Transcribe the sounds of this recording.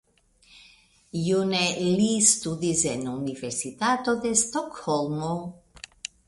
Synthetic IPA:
junelist̪ud̪izenuniveɾsit̪at̪od̪est̪okhɔlˠmo

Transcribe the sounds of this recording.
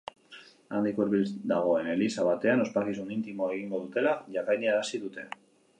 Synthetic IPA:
and̪ikoeɾβild̪aɣ̞o̞e̞ne̞lisaβ̞at̪e̞ano̞spakisunint̪imoe̞ɣ̞iŋɡo̞ðut̪e̞laʝakajniaɾasiðut̪e̞

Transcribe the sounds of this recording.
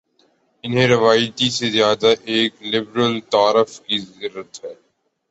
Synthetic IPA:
ɪnɦẽɾɪʋaːjt̪isezjaːd̪aʔeːklɪbɾəlt̪aːɾəfkizɪɾːət̪ɦɛː

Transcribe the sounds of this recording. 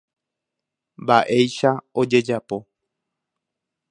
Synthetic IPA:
mbaʔe̞jʃaod͡ʒe̞d͡ʒapo̞

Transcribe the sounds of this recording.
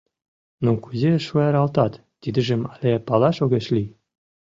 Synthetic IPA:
nokuzʲeʃujɑɾɑlt̪ɑt̪ːid̪ɘ̆ʒɘ̆mɑlʲepɑlˠɑʃoɣʲĕʃlʲi

